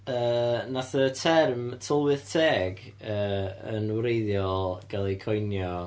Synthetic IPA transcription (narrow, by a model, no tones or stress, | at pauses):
əːnaθətʰɛrmtʰɔlˠwɨðtʰeːɡ | əːənwɾejðjɔlˠɡ̥alˠɛjkʰɔjnjɔ